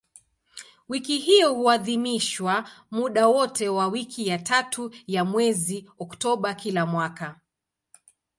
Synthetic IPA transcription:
wikiɦiɔhuaðimiʃwamuɗawɔtɛwawikʰijatatʰujamwɛziɔktɔɓakilamwaka

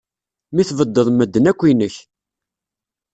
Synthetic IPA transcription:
miθvəd̪ːəðˤməd̪ːənækʷːinəç

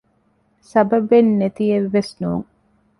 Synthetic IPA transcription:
sɐbɐbenːet̪ijeʋːesnuːŋ

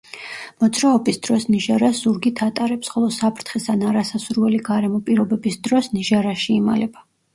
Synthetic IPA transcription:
mɔd̪zɾaɔbisd̪̥ɾɔsniʒaɾasz̥uɾɡit̪ʰat̪ʼaɾɛpsχɔlˠɔsapʰɾt̪ʰχɛsʰanaɾasasuɾvɛliɡaɾɛmɔpʼiɾɔbɛbisd̪ɾɔsniʒaɾaʃiːma̰lɛba

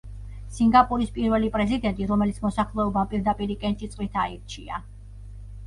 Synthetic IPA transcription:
siŋɡapʼuɾispʼiɾvɛlipʼɾɛzid̪ɛnt̪ʼiɾɔmɛlit̪sʰmɔsaχlɛɔbampʼiɾd̪apʼiɾikʼɛnt̪ʼit̪sʼqʼwit̪ʰaiɾt͡ʃʰia

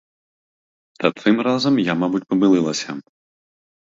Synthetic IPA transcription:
t̪ɐt̪ɨmrazɐmjamabut͡sʲpɐbɨlˠɨlˠɐsʲɐ

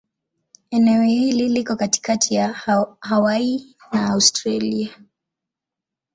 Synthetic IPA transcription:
ɛnɛɔhililikɔkati̥katʰijahawainaːustɾalia

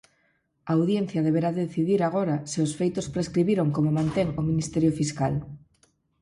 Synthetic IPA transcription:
aawðjen̟θjɐðeβeɾaðeðeθiðiɾaɣ̞oɾasɪosfejt̪ospɾeskɾiβiɾoŋkomomãnt̪eŋominist̪ɛɾjofiskal

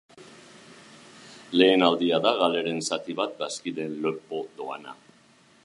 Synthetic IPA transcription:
le̞ːnald̪iaðaɣale̞ɾe̞nsat̪iβat̪̚d̪askiðe̞nlo̞pod̪o̞a̰na̰

